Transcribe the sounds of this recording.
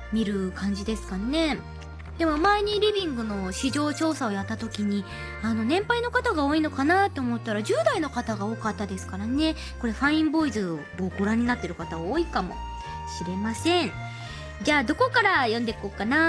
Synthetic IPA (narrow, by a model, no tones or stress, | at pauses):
mʲiɾɯ̟kãɲ̟d͡ʑid̪e̞sɨ̥kane̞ | d̪̥e̞mo̞maeɲ̟iɾʲibʲĩŋɡɯ̟no̞ɕiʑo̞ːt͡ɕo̞ːsao̞jat̪ːat̪o̞kʲiɲ̟i | ano̞nẽ̞mpaino̞kat̪aɡaoːino̞kanat̪ːe̞omo̞t̪ːaɾaʑɨːd̪aino̞kat̪aɡaoːkat̪ːad̪e̞sɨ̥kaɾane̞ | ko̞ɾe̞ɸãĩmbo̞izɨɡoːɡo̞ɾãɲ̟inat̪ːe̞ɾɯ̟kat̪aβoːikamo̞̰ | ɕiɾe̞masẽ̞ɴ | d͡ʑaːd̪o̞ko̞kaɾajõ̞nd̪e̞koːkana